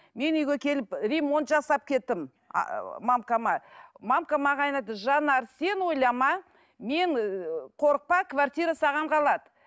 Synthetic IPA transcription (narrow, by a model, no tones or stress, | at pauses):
me̞nʏjɡʲekʲʰe̞lɪprʲe̞mo̞nt̪ʒɑsɑp̚kʲʰe̞t̪ːɪm̰ | mamkamɑmamkamɑʁɑjnɑd̪əʒɑnɑɾse̞nwo̞jlˠɑmɑ | me̞ɴqʰo̞ɾəq̚pɑkvart̪ijɾasɑʁɑɴqʰɑlˠɑd̪ə